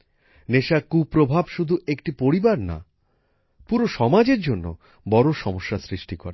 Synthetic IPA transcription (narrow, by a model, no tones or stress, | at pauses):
neʃakupɾobʱabʃud̪ʱuekʈipoɾibaɾna̰ | puɾoʃɔmad͡ʑeɾd͡ʑonːo̰ | bɔɾoʃɔmoʃːasɾiʃʈikɔɾe